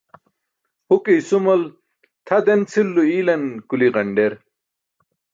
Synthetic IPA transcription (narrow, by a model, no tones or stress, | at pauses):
hukejsumɐl | t̪ʰɐd̪ent͡sʰilːuiːlɐnkuliʁɐɳɖeɾ